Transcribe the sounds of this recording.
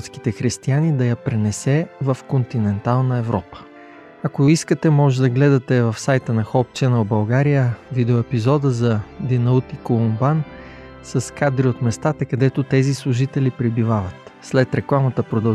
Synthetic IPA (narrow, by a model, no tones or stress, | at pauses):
t̪ski̥t̪ɛxɾist̪ianid̪ɐjɐpɾɛnɛsɛvɐfkont̪inɛnt̪alˠnəɛvɾɔpə̥ | ɐkoiskət̪ɛmɔʒɛd̪ɐɡlɛd̪ɐt̪ɛvɐfsajt̪ənɐxɔpt͡ʃɛnəlbɐlˠɡaɾijəvid̪ɛoɛpizɔd̪əzɐd̪inɐut̪ikolˠumban | sɐskad̪ɾiot̪mɛst̪at̪ɐkɐd̪ɛt̪ot̪ɛzislˠʊʒit̪ɛlipɾɛbivavət̪slɛt̪ɾɛklˠamɐt̪əpɾod̪ɐ